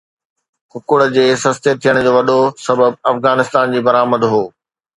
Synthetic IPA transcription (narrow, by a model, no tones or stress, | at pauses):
xʊkʊɽə̆d͡ʑeːsɐst̪et̪ʰijəɽ̃d͡ʑoːʋɐɗosɐbəb̚ɐfɣaːnɪst̪aːnd͡ʑiːbɐɾaːməd̪ɦoː